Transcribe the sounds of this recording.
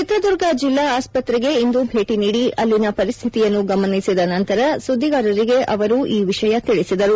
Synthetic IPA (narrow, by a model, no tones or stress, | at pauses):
t͡ʃit̪ɾɐd̪uɾɡɐd͡ʒilːaaːspɐt̪ɾɛɡe̞ind̪ubʱe̞ːʈiniːɽiʔɐlːinɐpɐɾist̪ʰit̪ijɐnːuɡɐmɐnisid̪ɐnɐnt̪ɐɾɐsud̪ʱːiɡaːɾɐɾiɡe̞ʔɐʋɐɾuʔiːʋiʂɐjɐt̪iɭisid̪ɐɾu